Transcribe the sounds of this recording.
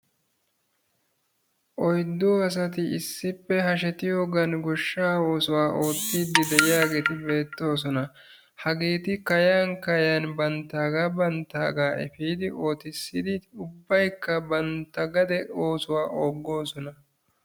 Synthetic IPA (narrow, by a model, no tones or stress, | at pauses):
ʔɔjd̪ːoːɐs̬ɐt̪̬ɪɪsːɪpːɛɦɐʃ̬ɛt̪ɪjo̞ːɡɐnɡɔʃːaːo̞ːsʊwaːʔo̞ːt̪ːiːd̪ːɪd̪ɛʔɪjaːɡe̞ːt̪ɪbe̞ːt̪ːo̞ːs̬ɔnɐ | hɐɡeːt̪ɪkɐjaːnkɐjanbɐnt̪ːaːɡaːbɐnt̪ːaːɡaːʔɛ̰fiːd̪ɪʔo̞ːt̪ɪsːɪd̪ɪʊbːɐjkːɐbɐnt̪ːɐɡɐd̪ɛo̞ːsʊwaːʔoːɡːo̞ːsɔnɐ